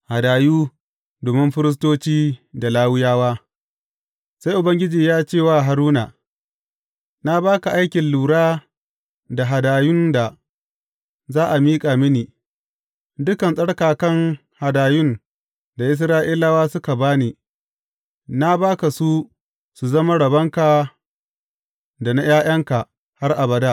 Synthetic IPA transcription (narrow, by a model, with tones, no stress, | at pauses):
ha˨daː˨juː˦ | doː˨mɪ˦mɸɪ˦ɾɪ˦s̬toː˦t͡ʃiː˦da˨laː˦wɪ˦jaː˦waː˦ | sa˦jʔʊ˨bɐ˦ŋɡʲɪ˦d͡ʒiː˨jaː˦t͡ʃeː˦˨waː˦ɦa˨ɾuː˦naː˨ | na˦baː˦ka˨ʔa˦jkʲɪ˨nluː˨ɽaː˦ | da˨ɦa˨daː˨jʊ˦nda˨ | zaː˦ʔa˨miː˦kʼaː˨mɪ˦niː˨ | dʊ˦kɐ˨nsʼɐ˦ɽkaː˨kɐ˦ŋ | ha˨daː˨jʊ˦n | da˨ʔɪ˦s̬ɾaː˦ʔiː˦la˦waː˦sʊ˦ka˨baː˦neː˨ | na˦baː˦ka˨su˦ | su˨zɐ˦ma˦ɽɐ˨bɐ˦ŋka˨ | da˨na˦j̰aː˦j̰ɐ˦ŋka˨ | ha˦rʔa˨bɐ˨daː˦